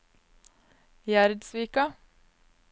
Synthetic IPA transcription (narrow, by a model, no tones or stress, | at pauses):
jæɾd̪sʋiːkɑ